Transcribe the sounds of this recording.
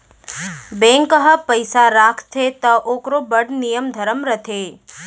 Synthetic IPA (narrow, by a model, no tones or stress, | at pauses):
bẽŋkəɦəpəjsaɾakʰt̪ʰet̪əʔokɾobəɽnijəmd̪ʱəɾəmɾət̪ʰe